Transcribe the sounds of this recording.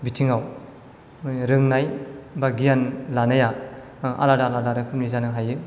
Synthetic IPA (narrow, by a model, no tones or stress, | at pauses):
bitʰiŋaw | ɾɯŋnajbaɡijanlanaja | ʔa̰ladaladaɾɯkʰɯmnizanɯɦajɯ